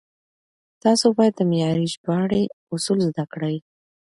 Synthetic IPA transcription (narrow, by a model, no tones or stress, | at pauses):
t̪ɑsobɑjad̪̚ːəmɪjɑɾiʒbɑɽe | ʊsulzd̪akɽawi